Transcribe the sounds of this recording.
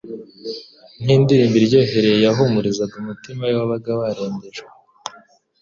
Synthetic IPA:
n̥hiːndiɾiːmbiɾɟo̞ːɦe̞ɾe̞jejaɦumuɾizaɡumutimajwaβaɡaβaɾoːɲdeʒe

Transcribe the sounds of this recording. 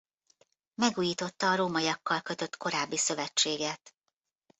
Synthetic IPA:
mɛɡuːjiːt̪o̞t̪ːɒːɾoːmɒjɒkːɒlkø̞t̪ø̞t̪ko̞ɾaːbːisø̞vɛt͡ʃːeːɡɛt̪

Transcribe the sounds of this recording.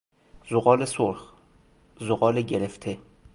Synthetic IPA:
zoɣɒːlesoɾx | zoɣɒːleɟeɾeft̪ʰe

